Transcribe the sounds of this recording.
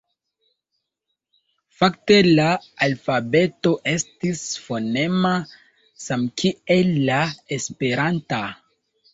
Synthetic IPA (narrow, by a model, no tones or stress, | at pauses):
fakte̞laalfabe̞to̞ʔe̞stisfone̞ma | samkielːaespe̞ɾanta